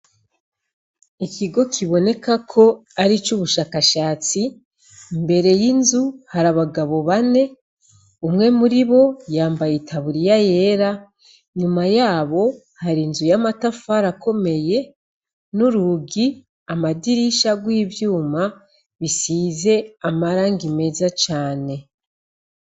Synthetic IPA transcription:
ikiɡo̞kʰiβo̞ne̞kakʰo̞aɾit͡ʃuβuʃaːkaʃaːt͡si | mbe̞ɾe̞jinzuhaɾaβaɡaβo̞βane̞ | umŋe̞muɾiβo̞jaːmbajitʰaβuɾijaje̞ɾa | ɲumajaːβo̞ | haɾinzujamatafaɾako̞me̞je̞ | nuɾuɡi | amadiɾiʃaɡwiːvjuːma | βisize̞amaɾaːŋɡime̞zat͡ʃaːne̞

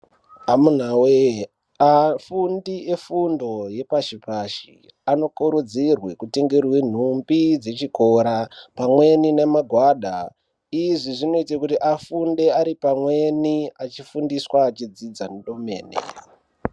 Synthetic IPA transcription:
amun̤awe | afundie̞fundo̞je̞paʃipaʃḭ | ano̞kuɾud͡zirwekuteŋɡerwen̤umbid͡ze̞t͡ʃiko̞ɾapamwe̞ninemaɡʱwaːɗa | iʐiʐino̞it̬akutiʔafunde̞aɾipamwe̞niat͡ʃifundiswaːt͡ʃid͡zid͡zaneɗo̞me̞̰ːnḛ

